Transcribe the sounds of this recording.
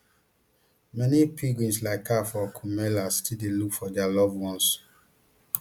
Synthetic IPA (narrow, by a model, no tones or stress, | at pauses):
mɛnipʰiɡɹĩnslaɪkʰːafɔkʰumɛlastildelukfɔdɛalɔvwɔ̃ns